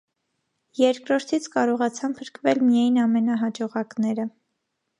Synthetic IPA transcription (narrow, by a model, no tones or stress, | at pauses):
jɛɾkɾɔɾt̪ʰit͡sʰkɑɾɔʁɑt͡sʰɑnpʰəɾkvɛlmijɑjnɑmɛnɑɦɑd͡ʒɔʁɑknɛɾə